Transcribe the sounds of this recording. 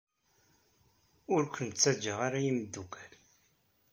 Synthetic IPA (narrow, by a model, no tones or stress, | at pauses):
ʊɾkʷənt͡sːæd͡ʒːəʁaɾajimd̪ːukʰæl